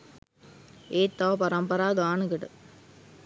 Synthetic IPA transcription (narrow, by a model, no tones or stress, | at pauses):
eːt̪ːaːpɐɾɐmpɐɾaːd̪aːnɯkɪʈɯ